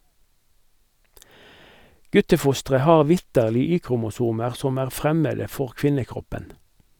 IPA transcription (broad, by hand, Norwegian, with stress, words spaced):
ˈɡʉtəˌfʊstʁə ˈhɑːʁ ˈʋɪtəʁlɪ ˈyːkʁʊmʊˌsuːməʁ ˈsɔm ˈæːʁ ˈfʁɛmədə ˈfɔʁ ˈkʋɪnəˌkʁɔpən